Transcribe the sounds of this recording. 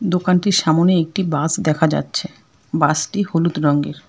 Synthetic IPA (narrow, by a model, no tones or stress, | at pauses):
d̪okanʈiɾʃamoneek̚ʈibasd̪ɛkʰad͡ʑa̰tːɕʰe | basʈiholut̪ɾɔŋɡeɾ